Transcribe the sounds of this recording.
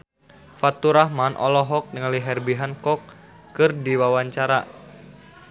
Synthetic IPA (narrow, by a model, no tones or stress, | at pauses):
fat̪uɾahmanʔɔ̰lɔɦɔk̚nəŋaliɦɛrbiɦankɔk̚ː | ɨrdiwawaɲt͡ʃaɾa